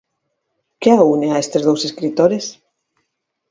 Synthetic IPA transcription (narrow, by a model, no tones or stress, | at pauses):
keauneaest̪ezðowseskɾit̪oɾes